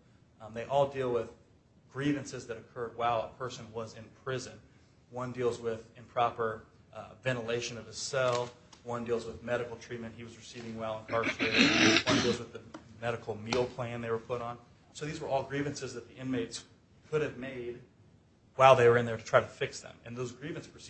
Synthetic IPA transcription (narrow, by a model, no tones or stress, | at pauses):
ðeɪʔɔlˠdilˠwɪð | ɡ̥ɹivɨ̃nsɨzðɨɾɨkʰɜ˞d̚waɪlˠə̰pʰɜ˞sɨ̃nwʌzɨ̃npʰɹ̥ɪzɨ̃n | wʌ̃ndilˠzwɪðɨ̃mpʰɹ̥ɑpə˞ | vɛ̃ñəleɪʃɨ̃nʌv̥ɨz̥sɛlˠwʌ̃ndilˠzwəðmɛɾɨkl̩ˠtʰɹ̥it̚mɨ̃nʔ̚hiwʌzɹɨsivɪ̃ŋwɛɪlˠə̃nkʰɑɹsewʌ̃ndilˠzwəðɨmɛɾɨkl̩ˠmilˠpʰl̥æ̃nðeɪwə˞pʰʊɾn̩ | soʊðizwə˞ʔɔlˠɡɹivɨ̃nsɨzðɨt̪̚ðiʔɪ̃nmeɪts | kʰʊɾɨvmeɪd̚ | waɪlˠðeɪwə˞ɨ̃nðə˞ɾɨtʰɹ̥aɪɾɨfɪksðɨ̰̃mɨ̰̃nðoʊzɡɹivɨ̃nspʰəs